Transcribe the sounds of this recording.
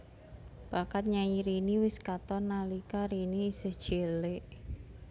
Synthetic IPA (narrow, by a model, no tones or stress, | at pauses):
b̥akat̪̚ɲaɲiɾiniwɪskat̪ɔnalikaɾiniːsəhd̥ʒ̥eleʔ